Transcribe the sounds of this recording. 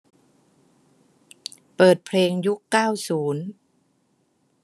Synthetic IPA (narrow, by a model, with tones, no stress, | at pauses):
pɤː˨˩t̪̚pʰleː˧ŋju˦˥kːaː˥˩wsuː˩˦n